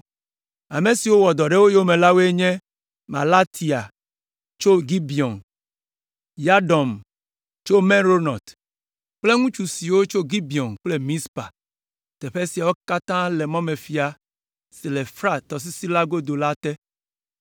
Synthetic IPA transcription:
a˨me˨si˨wo˦wɔ˨d̪ɔ˨ɖe˦wo˦jo˦mẽ˨la˦wo˦e˦ɲɛ̃˦ | ma˨la˦t̪ʰi˨a˨ | t͡ʃo˦ɡi˦bi˨ɔ˨n | ja˦ɖɔ˨m | t͡ʃo˦me˦ɾo˦nɔ˨t̪ | k͡ple˦ŋũ˦t͡ʃu˨si˨wo˦t͡ʃo˦ɡi˦bi˨ɔ˨nk͡ple˦mĩ˦spa̰˨ | t̪ɛ˨ɸe˦si˨a˨wo˦ka˦t̪ã˦le˨mɔ̃˦me˨fi˨a˨ | si˨le˨fɾa˦t̪ɔ˨s̬i˦si˦la˦ɡo˦d̪o˨la˦t̪ɛ˦

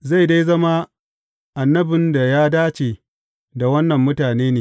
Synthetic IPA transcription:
za˦˨jda˦jzɐ˦ma˦ | ʔa˨nːɐ˦bɪ˨nda˨jaː˦daː˦t͡ʃeː˨ | da˨wɐ˦nːɐ˨mːʊ˦taː˨neː˦neː˨

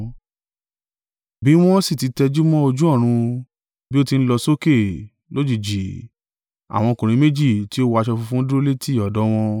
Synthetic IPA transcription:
bi˦w̃ɔ̃˦si˦˨ti˨˦tɛ˧d͡ʒu˦mɔ̃˦o˧d͡ʒũ˦ɔ˦˨ɾ̃ũ˧ | bi˦o˦ti˧n̩˦lɔ˧so˦ke˦˨ | lo˦d͡ʒi˦˨d͡ʒi˨ | a̰˨w̃ɔ̃˧kũ˨ɾ̃ĩ˨˦me˦d͡ʒi˦˨ti˨˦o˦wa˧ʃɔ˧fu˧fũ˦du˦ɾo˦le˦ti˦˨ɔ˨dɔ˨˦w̃ɔ̃˧

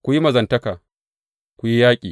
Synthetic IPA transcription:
kʷʊ˦ji˦mɐ˨zɐ˨ntɐ˦kaː˨ | kʷu˨ji˦jaː˦kʲʼiː˨

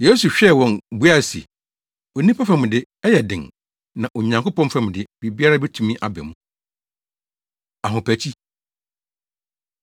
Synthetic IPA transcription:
je˦su˨ɕᶣɛ˦˨wɔ̃˨nbu˦a˦˨sḭ˨ | ɔ˨nĩ˦pʰa˦fa˦˨mʊ̃˨dɪ˦ | ɛ˦jɛ˨dɪ̰̃˨ŋ | nã˨ʔɔ˨ɲã˨ŋkʊ˦pʰɔ̃˦fa˦m̃˨dɪ˦be˨bi˦a˦ɾa˦bɛ˦tʰũ˨mĩ˦ʔa˨bɛ̰˨mũ˨ | a˨ɦʊ̃˨pʰæ˨t͡ɕʰi˦

